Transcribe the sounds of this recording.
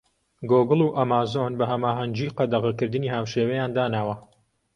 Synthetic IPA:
ɡoɡɨlˠuːʔɐmaːzonbɐɦɐmaːɦɐnd͡ʒiːqɐd̪ɐʁɐkɨɾd̪ɨniːɦaːwʃeːwejaːnd̪aːnaːwɐ

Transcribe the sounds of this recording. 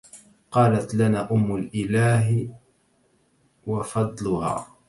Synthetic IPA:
qɑːlat̪lanaːʔʊmːʊlʔɪlaːɦ | wɑfɑd̪ˤlʊha̰ː

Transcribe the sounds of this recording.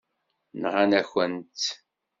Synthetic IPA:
nʁanæçənt̪

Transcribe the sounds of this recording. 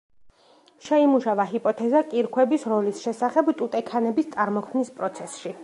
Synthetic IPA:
ʃɛimuʃavaɦipʼɔt̪ʰɛzakʼiɾkʰwɛbisɾɔlisʃɛsaχɛbt̪ʼut̪ʼɛkʰanɛbist̪sʼaɾmɔkʰmnispʼɾɔt̪sʰɛsʃi

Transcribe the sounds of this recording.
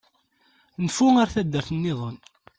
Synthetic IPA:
nfuaɾθæd̪ːəɾθnːɪðˤən

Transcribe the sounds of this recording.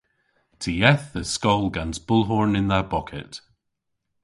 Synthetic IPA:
tʰəɛθðəskɔlˠɡãnzb̥ʊlˠɦɔɹnɪ̃nðəbɔkʰɪ̰ʔ

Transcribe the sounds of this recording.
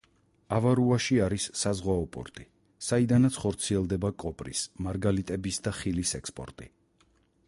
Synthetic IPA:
avaɾuaʃiaɾisːazʁwaɔpʼɔ̰ɾt̪ʼi | said̪anat̪sʰχɔɾt̪sʰiɛlˠd̪ɛbakʼɔpʼɾismaɾɡalit̪ʼɛbisd̪aχilisɛkspʼɔ̰ɾt̪ʼḭ

